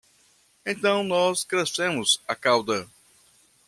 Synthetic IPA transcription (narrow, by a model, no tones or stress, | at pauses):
ẽj̃t̪ɐ̃w̃nɔskɾesẽmʊzakawd̪ɐ